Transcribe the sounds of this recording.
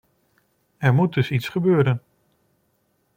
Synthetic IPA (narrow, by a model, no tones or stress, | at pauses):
ɛɹmut̚dɵsitsχəbøːɾən